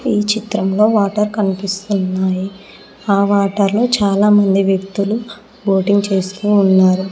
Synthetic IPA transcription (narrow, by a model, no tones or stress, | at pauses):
iːt͡ʃit̪ɾɐmlo̞ːʋaːʈɐɾkɐnipist̪unːaːji | aːʋaːʈɐɾlo̞ːt͡ʃaːlaːmɐnd̪iʋjɐk̚t̪ulu | ʋo̞ːʈiŋɡt͡ʃe̞ːst̪uːnːaːɾu